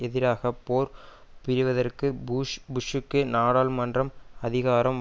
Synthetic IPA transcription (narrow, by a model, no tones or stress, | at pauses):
ɛðɪɾaːɣɐpːoːɾ | pɪɾɯʋɐðɐrkɯbʊʂɯkːɯnaːɽaːlmɐndrɐmɐðɪɣaːɾɐm